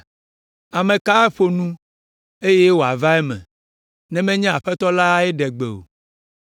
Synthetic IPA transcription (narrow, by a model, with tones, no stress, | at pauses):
a˨mẽ˨ka˦e˦ɸo˨nũ˦ | e˦je˦wo˨a̰˨va˦ɛ˦mɛ̰̃˨ | nɛ̃˦mɛ̃˦ɲɛ̃˦a˨ɸɛ˦t̪ɔ˦la˦ɛ˦ɖɛ˨ɡ͡be˨o̰˨